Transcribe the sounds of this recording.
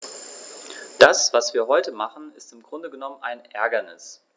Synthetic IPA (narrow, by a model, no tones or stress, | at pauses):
d̥asv̥asv̥iːɐɦɔʏtəmaχn̩ɪstɪmɡʁʊndəɡənɔmənaɪnʔɛɐɡɐnɪs